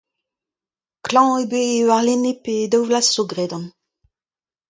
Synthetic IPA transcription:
klɑ̃ebeːwaʁleneped̪awvlasːoɡʁedɑ̃n

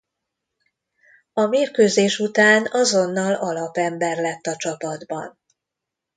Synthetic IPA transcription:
ɒmeːrkøːzeːʃut̪aːnɒzo̞nːɒlɒlɒpɛmbɛrlɛt̪ːɒt͡ʃɒpɒd̪bɒ̰n

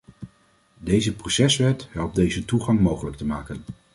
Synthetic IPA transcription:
dejzəprosɛsʋɛtɦɛlˠp̚dejzətuχɑŋmowχələk̚təmaːkən

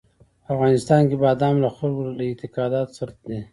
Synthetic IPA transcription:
afɣɑnɪst̪ɑnkebɑd̪ɑmlaxalɡoalaɪt̪ɪqɑd̪ɑt̪saɾt̪̚d̪e

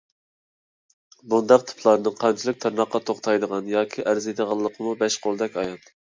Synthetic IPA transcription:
bund̪ɑqt̪ʰɨ̥pʰlˠɑɾɨnɨŋqʰɑnt͡ʃʰilˠɨk̚ʲt̪ʰɨɾnɑqːɑt̪ʰoχt̪ʰɑjd̪əʁɑnjɑːkʲʰiʔæɾzejd̪əʁɑlˠːəqʰəmubɛʃqʰolˠd̪ɛkʲɑjɑn

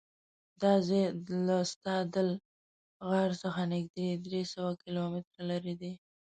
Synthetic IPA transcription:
d̪ɑzelast̪ɑd̪əl | ɣaɾsəxanɪɡd̪id̪ɾesəwakɪlomɪt̪ɾalaɾid̪i

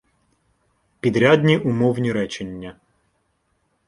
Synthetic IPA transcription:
pʲid̪ɾʲad̪ʲnʲiʔʊmɔwnʲiɾɛt͡ʃenʲːɐ

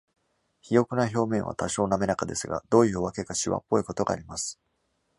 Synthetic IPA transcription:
çijo̞kɯ̟naço̞ːmẽ̞ɰ̃a̰t̪aɕo̞ːname̞nakad̪e̞sɨɡa̰d̪̥o̞ːjɯ̟oβake̞kaɕiβa̰pːo̞iko̞t̪o̞ɡa̰ːɾʲimasɨ̥

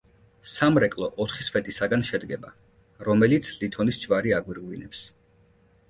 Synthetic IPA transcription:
samɾɛkʼlˠɔʔɔt̪ʰχisfɛt̪ʼisaɡanʃɛd̪ɡɛba | ɾɔmɛlit̪sʰlit̪ʰɔnisd͡ʒvaɾiaɡwiɾʁlinɛps

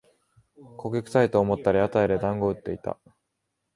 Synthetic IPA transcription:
kʰo̞kʲekɯ̟̥sait̪o̞ːmo̞t̪ːaɾʲiat̪aeɾed̪ãŋɡo̞ɯ̟t̪ːe̞it̪a̰

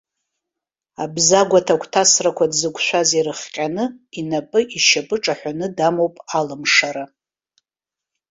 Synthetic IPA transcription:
abzaɡʷatʰakʷʰʼtʰasrakʷʰadzɨkʷʰʼʃʷᶣaziɾɨχqʲʼanɨinapʼɨʔiʃapʼɨʈ͡ʂʼaħʷᶣanɨdamowpʼalɨmʂaɾa

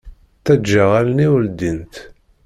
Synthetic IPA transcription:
θæd͡ʒːəʁælniwəld̪int̪

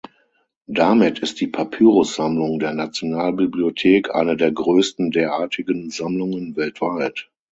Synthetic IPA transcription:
d̥amɪtʰɪst̚d̥iːpʰapʰyːʁʊsz̥amlʊŋdeːɐnat͡sjonaːlbibliotʰeːkʰʔa̰ɪnədeːɐɡʁøːstn̩deːɐʔaːɐtʰɪɡənzamlʊŋənvɛltv̥aɪt

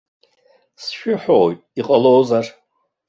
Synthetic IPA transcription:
sʃᶣʊħowjtʼiqʼalowzar

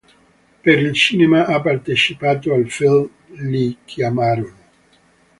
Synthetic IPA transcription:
peɾilsinemaʔapaɾt̪et͡ʃipat̪oalfilm | likʰjamaɾon

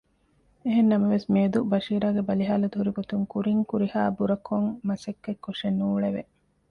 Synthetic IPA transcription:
eɦenːɐmɐʋesmeːd̪ubɐʃiːɾaːɡebɐliɦaːlɐd̪uɦuɾiɡot̪uŋkuɾiŋkuɾihaːbuɾɐkʰoŋmɐsɐkːekːoʂenuːɭeʋe

